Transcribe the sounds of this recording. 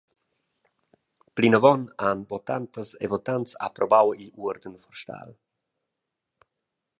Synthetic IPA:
plinavɔnanbɔt̪ant̪əsḛvɔt̪ant̪sa̰pɾʔɔbawiʔuəɾd̪ənfɔrʃt̪a̰l

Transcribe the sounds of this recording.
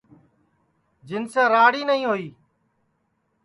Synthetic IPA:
d͡ʒɪnsẽːɾaːɽiːnəɦĩːɦoːiː

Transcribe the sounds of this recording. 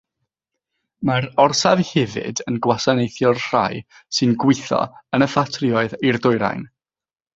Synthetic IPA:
maɾɔrsavhɛvɪ̰dənɡwasanejθjɔrr̥a̰j | sɨnɡwɪθɔ̰ənəfatʰriɔɨðirdʊɨɾa̰jn

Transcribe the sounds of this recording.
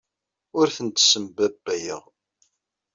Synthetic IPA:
ʊɾθənt̪səmbæbːæjə̰ʁ

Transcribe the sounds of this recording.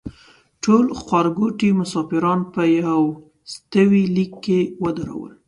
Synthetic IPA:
ʈolxwɑɾɡoʈimʊsɑfɪɾɑnpəjaw | st̪əwilikːewəd̪aɾa̰wə̰l

